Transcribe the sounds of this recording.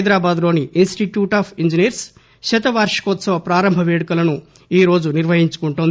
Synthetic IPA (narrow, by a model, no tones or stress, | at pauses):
jd̪ɾaːbaːd̪lo̞ːniinsʈiʈjuːʈaːpʰiɲd͡ʒiniɐɾs | ʃɛt̪̬ɐʋaːɾʂɐ̥kɔːt̪sɐʋɐpɾaːɾɐmbʱɐʋeːɽɐkulɐnu | iːɾo̞ːd͡ʒuniɾʋɐɦiɲt͡ʃu̥kuɳʈuːnd̪i